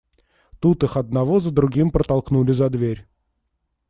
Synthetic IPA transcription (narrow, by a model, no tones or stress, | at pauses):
t̪ut̪ɨxɐd̪̚nɐvozəd̪ɾʊɡʲimpɾət̪ɐlˠknulʲɪzɐd̪vʲeɾʲ